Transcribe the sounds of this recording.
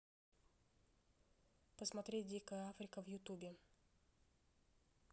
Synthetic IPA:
pəsmɐt̪ɾʲet̚ʲdʲikəjəafɾʲɪkəvjʊt̪ubʲɪ

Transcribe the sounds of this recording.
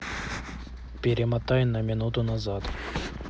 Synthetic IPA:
pʲɪɾʲɪmɐt̪ajʊnɐmʲɪnut̪ʊnɐzat̪

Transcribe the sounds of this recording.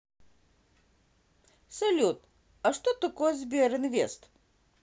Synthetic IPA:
sɐlʲut̪ | ɐʂt̪ot̪okojzʲbʲeɾɨnvʲest̪

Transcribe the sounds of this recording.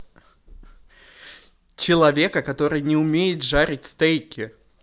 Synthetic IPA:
t͡ɕɪlˠɐvʲe̞kəkɐt̪o̞ɾɨjnʲɪʊmʲejɪt̪ʐaɾʲɪtʲst̪ejkʲɪ

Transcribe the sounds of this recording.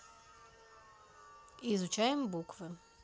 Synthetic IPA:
izʊt͡ʃajɛmbukvə

